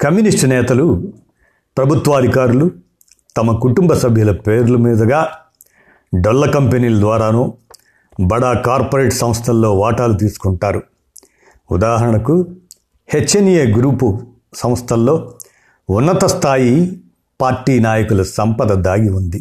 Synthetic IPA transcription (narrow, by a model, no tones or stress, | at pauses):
kɐmjunisʈnɛːt̪ɐlu | pɾɐbʱut̪ʋɐːd̪ʱikaːɾulu | t̪ɐmɐkuʈumbɐsɐbʱjulɐpe̞ːɾulɐmiːd̪ɐɡaː | ɖɐlːɐkɐmpeniːlɐd̪ʋaːɾaːnoː | bɐɽaːkaːɾpoɾe̞ːʈsɐ̃m̃st̪ʰɐlːo̞ːʋaːʈaːlut̪iːsu̥kuɳʈaːɾu | ṵd̪aːɦɐɾɐɳɐku | het͡ʃːɐnijeːɡɾuːpu | sɐmst̪ʰɐlːo̞ː | unːɐt̪ɐst̪ʰaːji | paːɾʈːiːnaːjɐkulɐsɐmpɐd̪ɐd̪aːɡiund̪i